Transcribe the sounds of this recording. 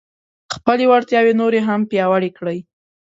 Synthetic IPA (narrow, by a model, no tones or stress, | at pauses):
xpəlewaɾt̪jɑwenoɾeɦampjɑwaɽekɽəj